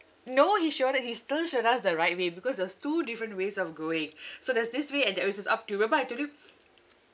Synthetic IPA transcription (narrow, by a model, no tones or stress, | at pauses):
nohiʃodɛt̚histilʃoɾasdəɹaɪt̚webikɔsdɛstudifɹə̃ntwesɔfɡoɪ̃ŋsodɛsdisweɛ̃ndɛwis̬əsa̰p̚tuwɛbajatolju